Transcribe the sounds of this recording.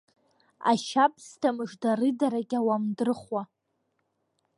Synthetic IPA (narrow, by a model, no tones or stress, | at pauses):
a̰ʃapʰstʰamɨʐdarɨdaɾaɡʲawamdɨrɨχwa